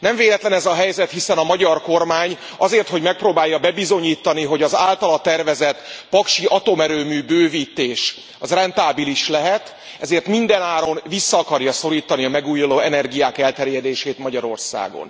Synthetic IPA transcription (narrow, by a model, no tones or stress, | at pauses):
nɛɱveːlɛt̪lɛnɛzɒɦɛjzɛt̪hisɛnɒmɒɟɒrko̞rmaːɲ | ɒzeːrt̪ho̞ɟmɛk̚proːbaːjːɒbɛbizo̞ɲiːt̪ːɒniɦo̞ɟɒzaːlt̪ɒlɒt̪ɛrvɛzɛt̪pɒkʃiʔɒt̪o̞mɛɾøːmyːbøːviːt̪ːeːʃ | ɒzrɛnt̪aːbiliʃlɛɦɛt̪ | ɛzeːrt̪mind̪ɛnaːɾo̞mvisːɒːkɒrjɒso̞ɾiːt̪ɒniɒmɛɡuːjuloːɛnɛrɡijaːkɛlt̪ɛrjɛd̪eːʃeːt̪mɒɟɒɾo̞̰rsa̰ːɡo̰n